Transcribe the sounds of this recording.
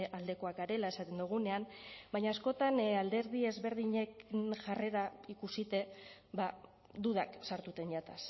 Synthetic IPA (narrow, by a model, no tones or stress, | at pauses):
ʔald̪e̞ko̞akaɾe̞lae̞sat̪e̞nd̪uɣ̞une̞ambaɲaːsko̞t̪anald̪e̞ɾðie̞zβe̞ɾðiɲe̞knʝare̞ɾaikusit̪e̞ba | d̪uðaksaɾt̪ut̪e̞nʝat̪as